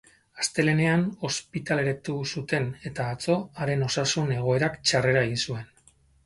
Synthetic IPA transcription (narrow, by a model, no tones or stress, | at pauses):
ast̪e̞le̞ne̞ano̞spit̪ale̞ɾat̪usut̪e̞ne̞t̪aːt͡so̞aɾe̞no̞sasune̞ɣ̞o̞e̞ɾakt͡ʃare̞ɾae̞ɣinsue̞n